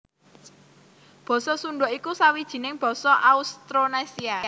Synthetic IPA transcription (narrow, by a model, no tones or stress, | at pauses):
b̥ɔ̤sɔsuɳɖɔʔikusawid̥ʒ̥i̤nɪŋb̥ɔ̤sɔʔaust̪ɾonasia